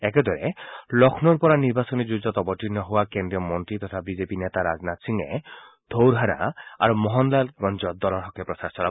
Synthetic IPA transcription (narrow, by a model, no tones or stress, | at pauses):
ɛked̪ɔɾḛlɔkʰnɔɾpɔɾaniɾbasɔnid͡ʒud͡ʒɔt̪ɔbɔʈinɔɦuwakend̪ɾiɔmɔnt̪ɾit̪ɔt̪ʰabid͡ʒepinet̪aɾa̰d͡ʒnat̪siŋe | d̪̥ʱowɾɦaɾa̰a̰ɾumɔɦɔnlalɡɔnd͡ʒɔd̪ɔlɔɾɦɔkʰepɾɔsaɾsɔɾa